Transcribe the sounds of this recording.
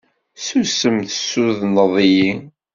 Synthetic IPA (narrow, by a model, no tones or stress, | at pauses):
susəmθə̥sːuðnəðˤiji